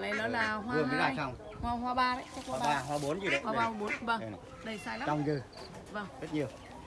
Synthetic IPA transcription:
lə˨˦jlə˨˦laː˨˩ɦwaɨ˧ə˧ŋɨ˨˦laː˨˩˧jsa˧wŋ͡m | hwaː˧ɦwaː˧ɓaː˧ɾə̰˧˦t͡ɕa˦˥k̚ːaː˧ɦwaː˧ɓo˨˦nzi˨˩ə˨˦waː˧˨˧ɓaː˧˩ɓo˨˦n˧və˧˩ | ɗə˨˧˩jsaː˧jla˦a˧˨wŋ͡mzɨ˨˧˩ | və˧˩ŋzə˦˥t̚ɲi˧˩əw

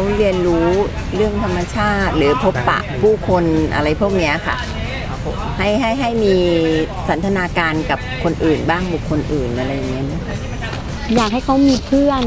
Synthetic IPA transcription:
wɾi˧ənɾuː˦˥ | ɾɯ˥˩əŋt̪ʰa˧mːa˧t͡ɕʰaː˥˩t̪̚lɯː˩˦pʰo˦˥pːa̰˨˩ʔpʰuː˥˩kʰo˧nʔa̰˧ɾa˧jpʰu˥˩ək̚ni˦˥ɐ˨˩kʰa̰˥˩ | ha˥˩jɦa˥˩jɦa˥˩jmiː˧sa˩˦nt̪ʰa˧naː˧kaː˧nka˨˩p̚kʰo˧nʔɯː˨˩nbaː˥˩ŋbu˨˩kʰːo˧nʔɯː˨˩nʔa˧ɾa˧jːa˨˩ŋːi˦˥ɐ˧nɯ˦˥ɐkʰa˥˩ | jaː˨˩k̚ɦa˥˩jkʰa˦˥wmiː˧pʰɯ˥˩ən

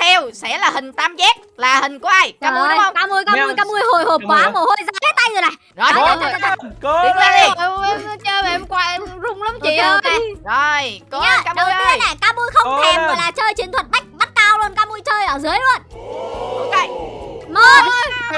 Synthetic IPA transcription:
t̪ʰɛ˧wsɛ̰˧˥laː˨˩hï˨˩ŋ̟t̪aː˧mzɛ˦˥k̚laː˨˩hï˨˩ŋ̟kɔ˧˦˧a˧˩jkaː˧m˧˦˧kaː˧mu˧əjkaː˧mu˧əjkaː˧mu˧əjɦo˨˩jho˨˩p̚kwaː˨˦mo˨˩ho˧jzaː˧˩kʰa˨˦t̪a˧jzo˨˩na˨˩j | zɔ˨˩˨a˧˩˧ʊ˦˥la˨˧˩ə˧ɛ˧m˧t͡ɕəː˧ma˨˩ɛ˧mkwaː˧˩ʔɛ˧zʊ˨˧˩ŋ͡mlə˨˧˦ŋ͡mt͡ɕi˧˨ə˧a˨˩o˨˩jkɔ˨˦˧kaː˧ɗmʊ˧˨˦jʔə˧e˦˥na˨˩kaː˧mu˧əjxə˧wŋ͡mtʰɛ˧mɣɔ˨˩jlaː˨˩t͡ɕəː˧jt͡ɕi˨˦nt̪ʰwə˨˩t̚ɓa˦˥jk̟̚ɓa˦˥t̚kaː˧wlu˧ənkaː˧mu˧jt͡ɕəː˧jʔəː˧˩zɨ˨˦jlu˧ənʔo˨˧˦ke˧˩jmo˧˩n

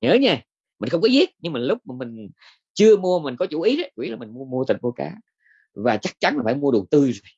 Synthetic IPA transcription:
ɲəː˨˦ɲaː˧˩ | mï̟˨˩xə˧wŋ͡mkɔ˨˦zi˦˥ət̚ɲɨ˧ŋmaː˨˩lʊ˦˥k͡p̚maː˨˩mï˨˩ŋ̟ | t͡ɕɨ˧əmu˧ə˨mï˨˩ŋ̟kɔ˨˦t͡ɕu˧˩ʔi˨˦ə˨˦t͡ɕu˧i˨˦laː˨˩mï̟˨˩mu˧əmu˧ət̪ḭ˨˩ŋmu˧ka̰ː˨˦ | vaː˨˩t͡ɕa˦˥k̚t͡ɕa˨˦nlaː˨˩faː˧˩jmu˧əɗu˨˩əŋt̪ɨ˧zo˨˩j

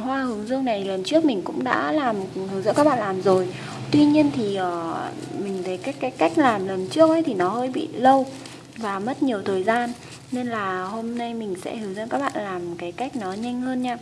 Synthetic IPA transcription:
hwaː˧hɨ˨˦əŋzɨ˧əŋna˨˩jlə˨˩nt͡ɕɨ˦˥ək̚mï˨˩ŋ̟kʊ̰˧˥ŋ͡mɗa̰ː˧˥laː˨˩mhwzɨ̰˧˥kaː˦˥ɓa̰ː˧˨laː˨˩mzo˨˩j | t̪wi˧ɲi˧ənt̪ʰi˨˩ʔəː˨˩mï˨˩ŋ̟t̪ʰə˨˦jka˦˥kaː˨˦jka˦˥jk̟̚laː˨˩mlə˨˩nt͡ɕɨ˦˥ək̚ʔə̰˧˦jt̪ʰi˨˩nɔ˨˦həː˧jɓḭ˧˨lə˧w | vaː˨˩mə˦˥t̚ɲi˨˩əwt̪ʰəː˨˩jzaː˧nː | e˧nlaː˨˩ho˧mna˧jmï˨˩ŋ̟sɛ̰˧˥hɨ˨˦wzɨ̰˧˥nkaː˦˥k̚ɓa̰ː˧˨nlaː˨˩mkaː˨˦jka˦˥jk̟̚nɔ˨˦ɲa˧jŋ̟həː˧nɲaː˧

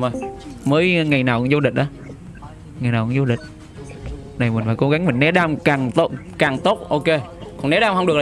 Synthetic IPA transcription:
əː˨˩jməː˨˦jŋa˨˩jnaː˨˩wkʊ˧˦ŋ͡mzo˧ɗï̟˨˩ʔaː˨˦ | ŋa˨˩jnaː˨˩kʊ˧˦zo˧ɗï˨˩k̟̚ | na˨˩jmi̟˨˩faː˧˩ko˨˦ɣa˨˦ŋmï˨˩ŋ̟nɛ˨˦˥ɗaː˧mkaː˨˩ŋt̪o˦ | kaː˨˩ŋt̪o˦˥t̚ʔo˧ke˧kɔ˨˩ŋnɛ˨˦ɗaː˧wŋ͡mhə˧ŋ͡mɗɨ˨˩kla˨

